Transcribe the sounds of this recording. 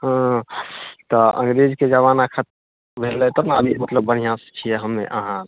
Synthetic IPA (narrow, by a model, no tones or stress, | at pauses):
ɦə̃ | t̪ɔʔə̰ŋɡɾed͡ʒked͡ʒaβanakʰət̪̚ | bʱelɛt̪ɔnaəbʱimət̪ləbːən̤ijãst͡ʃʰijɛɦəmːḛʔəɦã